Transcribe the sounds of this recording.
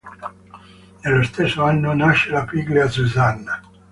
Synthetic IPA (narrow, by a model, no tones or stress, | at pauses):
nelːost̪esːoanːonaʃːelapiɡleasuzanːa